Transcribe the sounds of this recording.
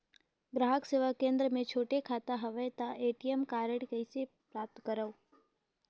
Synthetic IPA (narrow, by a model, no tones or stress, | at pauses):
ɡɾaɦəkseʋakẽnd̪ɾəmẽt͡ʃʰoʈekʰat̪aɦəʋet̪aʔeʈiemkaɾəɽkəjse | pɾap̚t̪kəɾəu